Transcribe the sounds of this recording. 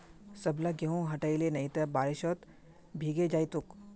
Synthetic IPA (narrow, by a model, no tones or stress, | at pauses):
sɐblɐɡeɦõɦɐʈəilenɐit̪ɐbaːɾɪʃɔːt̪ | bʱiːɡed͡ʒaːit̪ʊk